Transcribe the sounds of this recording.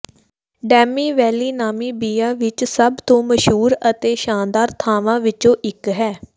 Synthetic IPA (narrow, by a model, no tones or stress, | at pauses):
ɖɛːmiːʋɛːliːnaːmiːbiːaːʋɪt͡ʃsəbt̪õːməʃɦuːɾət̪eːʃaːnd̪aːɾt̪ʰaːʋãːʋɪt͡ʃõːʔɪkɦɛː